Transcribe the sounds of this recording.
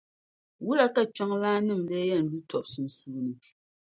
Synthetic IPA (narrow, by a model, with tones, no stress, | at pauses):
wu˦la˦ka˦t͡ʃa˦ŋlaː˦nɨ˦˨mdɛ˦jɛ˦˨n̩˨du˦tɔ˨p̚sɨ˨n̩˨suː˦nɨ˨